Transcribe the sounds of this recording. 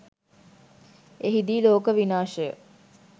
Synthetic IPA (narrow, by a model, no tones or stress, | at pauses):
eɦid̪iːloːkəʋinaːʃəjə̰